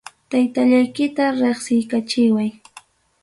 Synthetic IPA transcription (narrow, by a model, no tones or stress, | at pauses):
t̪ajt̪aʎajkɪt̪aɾeχsɪjkat͡ʃɪwaj